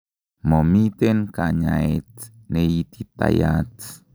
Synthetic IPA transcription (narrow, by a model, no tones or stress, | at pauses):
momit̪enkaɲaet͡s | neit̪it̪a̰ja̰t͡s